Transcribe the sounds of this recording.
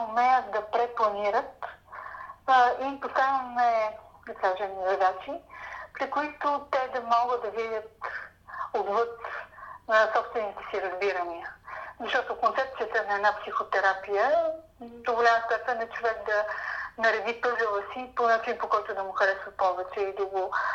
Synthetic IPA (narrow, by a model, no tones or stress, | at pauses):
omɛjət̪̚d̪ɐpɾɛplˠɐniɾət̪ | ipost̪anvəmɛd̪ɐkaʒɛmzɐd̪at͡ʃipɾikʊit̪ʊt̪ɛd̪ɐmɔɡəd̪d̪ɐvid̪ʲət̪ | od̪vɤt̪nəsɔpst̪vɛnit̪ɛ̥siɾɐzbiɾəniəzɐʃt̪ɔt̪okont̪ɛp̚t̪sijət̪ənɐɛd̪napsixot̪ɛɾapijə | d̪oɡolʲaməst̪ɛt̪ənɛt͡ʃovɛk̚d̪ɐnɐɾɛd̪ip̪ɤzəvəsiponat͡ʃinpokɔjt̪ʊd̪ɐmʊxɐɾɛsvəpɔvɛt͡ʃɛid̪ɐɡo